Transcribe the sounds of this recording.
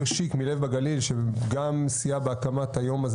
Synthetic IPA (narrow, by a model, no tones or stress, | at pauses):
ʁʃikmilevbaɡalilʃeɡamsijabeakamat̪hajo̞maz